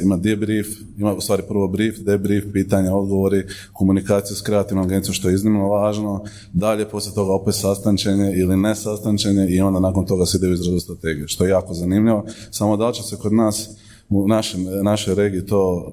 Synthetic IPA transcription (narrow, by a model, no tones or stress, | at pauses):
imad̪ebɾif | imaust̪aːɾipr̩ʋo̞bɾiːfd̪ebɾiːfpiːt̪aɲao̞d̪ɡo̞ʋoɾi | ko̞munikaːt̪sijeskɾe̞at̪iʋnomaɡeniomʃt̪o̞jeiznimnoʋaːʒno̞ | d̪aʎe̞po̞slʲjet̪o̞ɡao̞pe̞t̪sast̪ant͡ʃeɲe̞ilinesast̪ant͡ʃeɲe̞io̞nd̪anaːkont̪o̞ɡaseid̪euizɾazust̪ɾat̪e̞ːɡijuʃt̪o̞jejaːko̞zanimʎiʋosamo̞d̪alt͡ɕesekod̪naːs | unaʃemnaʃo̞jɾeːɡiit̪o̞ː